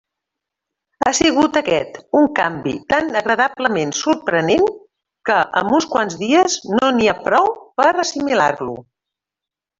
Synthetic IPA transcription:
asiɣ̞ut̪əkɛt̪uŋkambḭt̪anəɣɾəðabləmensuɾpɾənen | kəʔə̰mbunskwanzðiəznoniapɾɔwpəɾəsimilarlṵ

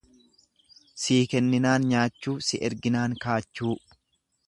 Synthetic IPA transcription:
siːkɛnːɪnaːnɲaːt͡ʃːuːsɪʔɛɾɡɪnaːŋkaːt͡ʃːuː

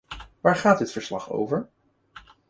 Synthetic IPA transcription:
ʋaːɹχaːt̚dɪtfəɹslɑχo̰wvəɹ

